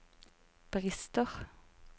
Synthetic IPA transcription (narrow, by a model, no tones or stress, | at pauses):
b̥ʁɪst̪ɔʁ